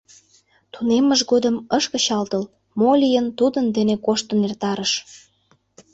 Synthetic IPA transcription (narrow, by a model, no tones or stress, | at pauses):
t̪uneməʒɡod̪ə̆məʃkə̆ɕɑlt̪əl | molʲijənt̪ud̪ənd̪enekoʃt̪ə̆nert̪ɑɾəʃ